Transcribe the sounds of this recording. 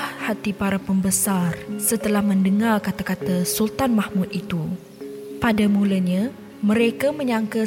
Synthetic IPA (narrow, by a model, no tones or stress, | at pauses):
hat̪ipaɾapəmbəsarsət̪əlahmə̃ndəŋarkat̪akat̪asult̪anmahmũt̪̚it̪u | padamũlaɲã | mə̃ɾekamə̃ɲãŋka